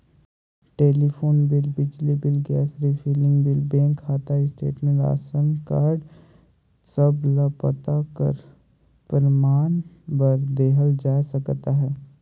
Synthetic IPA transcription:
ʈeːlifʰoːnbɪlbɪd͡ʒlibɪlɡɛːsɾifʰiːlɪ̃ŋɡbɪlbẽːŋkʰːaːt̪aɪsʈḛːʈmẽɳʈa̰ːsənkaːɾɖ | səblapət̪akə̰ɾ | pəɾmaːnbəɾd̪eːɦəld͡ʒaːsɐkt̪aɦɛː

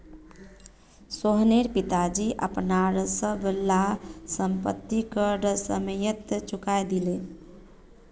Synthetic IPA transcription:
soɦneɾpit̪ad͡ʒiʔə̰pnaɾsəbʱlasəmpət̪ːikəɾsəməjət̪t͡ʃukajd̪ile

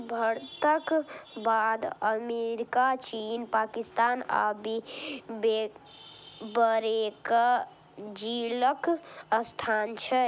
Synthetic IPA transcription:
bʱəɾt̪əkbad̪əmeɾikat͡ʃinpakist̪ana̰bibe | bəɾekə | d͡ʒiləkəst̪ʰant͡ʃʰɛ

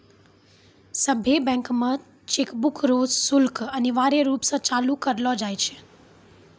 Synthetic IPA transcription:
səbʱjebɛ̃ŋkmã | t͡ʃekbukʰɾozsulkəneʋaɾeɾupsət͡ʃalũkəɾlod͡ʒajt͡ʃʰe̥

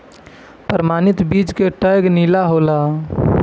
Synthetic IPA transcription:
pɾəmaːnɪt̪bid͡ʒkeʈəjɡniːlaɦola

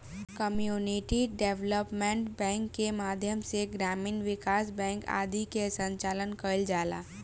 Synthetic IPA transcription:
kəmjuːnɪʈiɖeːʋləpmẽɳʈbɛ̃ːŋkːemaːd̪ʱjəmseɡɾaːmiːnʋɪkaːsbɛ̃ːŋka̰ːd̪ʱikesə̃ɲt͡ʃaːlənkəld͡ʒaːla̰ː

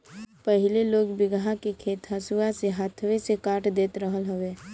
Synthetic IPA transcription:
pəɦɪleloːɡbɪɡãkekʰeːt̪ɦasuaseɦaːt̪ʰwesekaːʈʰd̪eːt̪ɾəɦəlɦəʋeː

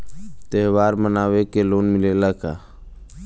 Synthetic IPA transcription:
t̪eɦwaːɾmənaːwekeloːnmɪlelaka̰

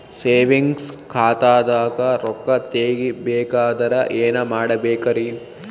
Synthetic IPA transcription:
seːʋiŋɡskʰaːt̪aːd̪aːɡɐɾɔkːɐt̪eːɡibeːkaːd̪ɐɾɐʔeːnɐmaːɽɐbɛːkɐɾi

